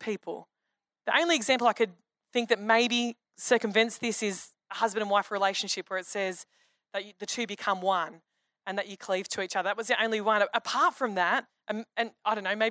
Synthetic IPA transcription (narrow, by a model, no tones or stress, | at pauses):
pʰipʰl̩ˠ | ðiʔõ̰ʊ̃nliɨɡzæ̃mpl̩ˠaɪkʰɨd̪̚ | θɪ̃ŋk̚ðɨt̚meɪbi | sɜ˞kɨ̃ɱvɨ̃nsðɪsɪz | əhʌzbɨ̃ndə̃nwaɪfɹileɪʃn̩ʃɪpʰwə˞ɨtsɛz | ðɨt͡ʃɨðɨtʰʉbɨkʰʌ̃mwʌ̃n | ɨ̃nðɨt͡ʃɨkʰl̥iv̥tʰɨit͡ʃʌðə˞ət̚wʌzðiʔõʊ̃nliwʌ̃nɨʔəpʰɑɹtfɹʌ̃mðæt̚ | ʔɨ̃nɨ̃naɪɾõʊ̃nːoʊmeɪ